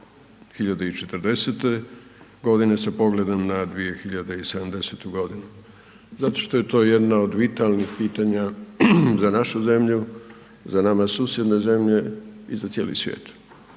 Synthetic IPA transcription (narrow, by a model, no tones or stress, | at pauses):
xiʎad̪eit͡ʃet̪ɾd̪e̞set̪e̞ɡo̞d̪ine̞sapo̞ɡle̞d̪amnad̪ʋije̞xiʎad̪eised̪amd̪e̞set̪uɡo̞d̪inu | zat̪o̞ʃt̪oje̞t̪o̞ːjed̪naod̪ʋit̪alnixpiːt̪aɲa | zanaʃuze̞mʎu | zanamasuːsjed̪ne̞ze̞mʎe̞izat̪sje̞ːlḭsʋjḛːt̪